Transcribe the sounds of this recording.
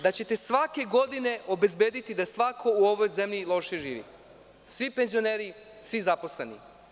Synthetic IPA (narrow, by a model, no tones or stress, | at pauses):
d̪at͡ɕe̞t̪e̞sʋake̞ɡo̞d̪ine̞ʔo̞be̞zbe̞ːd̪it̪id̪asʋakʰo̞uo̞ʋo̞jze̞mʎilˠo̞ʃeʒiːʋḭ | sʋipe̞nzio̞ne̞ːɾi | sʋizapo̞slḛnḭ